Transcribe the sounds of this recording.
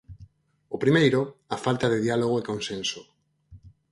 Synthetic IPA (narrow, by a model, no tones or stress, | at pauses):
opɾimejɾoafalt̪aðeðialoɣ̞oekõnsẽnso